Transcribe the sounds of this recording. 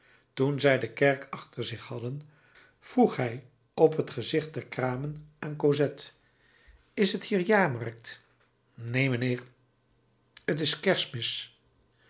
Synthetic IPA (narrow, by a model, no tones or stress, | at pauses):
tunzɛjdəkɛɹkɑχtəɹzɪχhɑdən | v̥ruχɦɛj | ɔpɦətχəzɪχt̚dɛɹkraːmənʔaːnkozɛt | ɪsɦəthiːɹjaːɹmɑrk̚t | nejmənɪːɹ | ət̬ɪskɛɹsmɪs